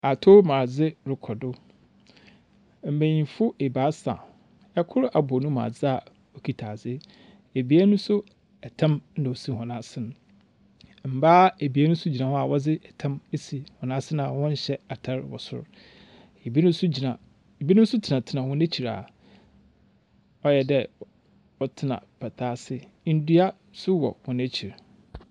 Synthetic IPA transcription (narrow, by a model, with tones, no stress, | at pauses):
a˨tʰo˦mãː˨d͡zɪ˦ɾɪ˨kʰɔ˨dʊ˦ | m̩˨mẽ˨ɲĩ˨fʊ˦e˨baː˨˦sã̰˨ | ɛ˦kʰʊ˦ɾʔa˨bɔ˨nũ˦mã̰ː˨d͡zɪ˦a˨ | o˨kʰi˨tʰaː˨d͡zɪ˦ | e˨bi˨˦a˦nʊ̃˦sʊ˦ | ɛ˨tʰã˦m̩˦nã˨o˨si˦hɔ̃˨nã˦sɪ̃˦ñ˨ | m̩˨baː˦e˨bi˨e˦nũ˦sʊ˦d͡ʑi˨nã˨hɔ˦a˨wɔ˦d͡zɪ˦ɛ˨tʰã˦me˦si˨hɔ̃˨nã˦sɪ˦nã˨wɔ̃˦n̩˦ɕɛ˦a˨tʰa˦ɾwɔ̰˨sʊ̰˦ɾ | e˨bi˦ñ˦sʊ˦d͡ʑi˨nã˨ | bi˦nʊ̃˦m˦sʊ˦tʰɪ˨nã˨tʰɪ˨nã˨wʊ̃˦næ˦t͡ɕʰi˨ɾa̰˨ | ɔ˦jɛ˨dɛ˦ | ɔ˦tʰɪ˦nã̰˨pʰɛ˨tʰaː˦sɪ˦ | n̩˦du˦a˦ | sʊ˦wɔ̰˨wɔ̃˨næ˦t͡ɕʰi˨ɾ